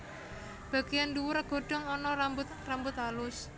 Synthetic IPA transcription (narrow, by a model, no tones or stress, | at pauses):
b̥a̤ɡ̥ijanduwʊɾɡ̥o̤ɖ̥ɔ̤ŋɔnɔambʊt̪rambʊt̪alʊs